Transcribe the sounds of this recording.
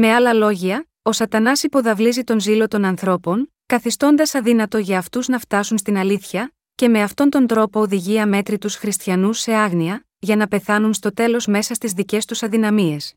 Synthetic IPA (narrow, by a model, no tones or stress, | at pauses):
me̞ɐlɐlo̞ʝiɐ | o̞sɐt̪ɐnɐsipo̞ðɐvlizit̪o̞nzilo̞t̪o̞nɐnθɾo̞po̞ŋ | kɐθist̪o̞nd̪ɐsɐðinɐt̪o̞ʝɐːft̪uznɐft̪ɐsunst̪inɐliθçɐ | ce̞me̞ɐft̪o̞nt̪o̞nd̪ɾo̞po̞ːðiʝiɐme̞t̪ɾit̪usxɾist̪çɐnuse̞ɐɣniɐ | ʝɐnɐpe̞θɐnunst̪o̞t̪e̞lo̞zme̞sɐst̪izðice̞st̪usɐðinɐmie̞s